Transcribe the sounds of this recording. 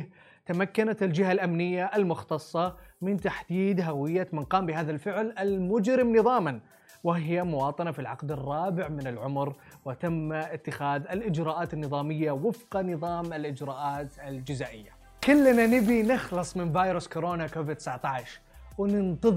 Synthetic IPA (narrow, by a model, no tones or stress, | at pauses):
t̪amakːanat̪ɪld͡ʒɪɦalʔamnɪjːaʔɪlmʊxt̪ɑsˤːɑmɪnt̪aħd̪iːd̪ɦawɪjːamanqɑːmbɪɦaːðalfɪʕlɪlmʊd͡ʒɾɪmnɨðˤɑːman | wɪhɪjamʊwɑːt̪ˤɑnafilʕa̰qd̪ɪrˤːɑːbɪʕmɪnɪlʕʊmɾwt̪amːɪt̪ːɪxaːðɪlʔɪd͡ʒɾɑːʔaːt̪ɪnːɨðˤɑːmɪjːawɪfqɑnɨðˤɑːmɪlʔɪd͡ʒɾɑːʔaːt̪ɪld͡ʒɪzaːʔɪjːa | kʊlːnanɪbinɪxlɨsˤmɪnvɑːjɾʊskoɾoːnakoːvɪd̪t̪ːɪ̥saʕt̪ɑʕʃ | wnɪnt̪ɨð